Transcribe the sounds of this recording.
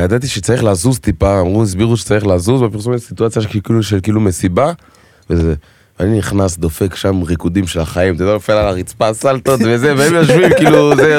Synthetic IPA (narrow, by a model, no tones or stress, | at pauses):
jad̪at̪iʃɛt͡saʁiχlazuzt̪ipaːmʁuis̬biʁuʃɛ̥t͡saʁiχlazuzbapiʁs̬ɔnsit̪uat͡sjaʃkikiluʃɛlkilumesiba | vezɛ | vaniniχnasd̪ofɛkʃamʁikud̪imʃɛlaχaimt̪d̪alofɛlalaʁit͡spasalt̪otvezɛvɛɛmjaʃvimkiluzɛ